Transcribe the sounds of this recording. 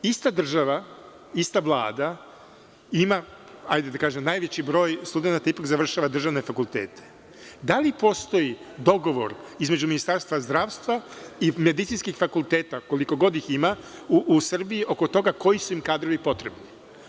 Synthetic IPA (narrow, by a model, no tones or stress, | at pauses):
ist̪ad̪r̩ʒaʋa | ist̪aʋlˠa̰ːd̪a | ima | a̰jd̪ed̪akaːʒemnaːjʋe̞t͡ɕibɾo̞ːjst̪ud̪enat̪aipakzaʋr̩ʃaʋad̪r̩ʒaʋne̞fakulˠt̪ḛːt̪ʰe̥ | d̪alipo̞st̪o̞jid̪o̞ɡo̞ʋo̞̰ɾizme̞d͡ʑuminist̪aɾst̪ʋazd̪ɾaːʋst̪ʋaime̞d̪it̪sinskixfakult̪e̞ːt̪ako̞liko̞ɡo̞d̪iximauʔːsr̩biiʔo̞ko̞t̪o̞ɡako̞jisuimkaːd̪ɾo̞ʋipo̞t̪ɾe̞bni